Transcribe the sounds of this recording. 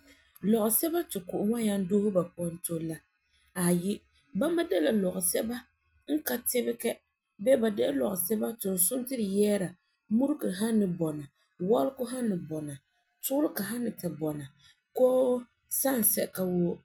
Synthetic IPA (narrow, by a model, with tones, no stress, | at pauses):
lɔ˨ɣʊ˨sɛ˦ba˦tɪ˨kʊ˨ʔʊ˨ŋa˦ja˦n˦doː˦hʊ˦ba˨pʊ˨˦ɔ˦n˦to˦la˦ | a˨jɪ˦ | ba˦ma˦dɛ˦la˨lɔ˨ɣʊ˨sɛ˦ba˦ | ŋ̩˦ka˦tɪ˦bɪ˦kɛ˦ | bɛː˦ba˨dɛ˦lɔ˨ɣʊ˨sɛ˦ba˦tʊ˨n˨sʊ˦ntɪ˦ɾɪ˨jɛː˦ɾa˨ | mu˦ɾkɨ˨ɦa˦nːɪ˨bɔ˨na˨ | wɔ˦lkʊ˦ɦa˦nːɪ˨bɔ˨na˨ | tʊ˦ʊ˦ɾɪ˦ka˨ɦa˦nːɪ˨ta˨bɔ˨na˨ | koː˦ | sa˦˨n˨sɛ˨ka˦woː˦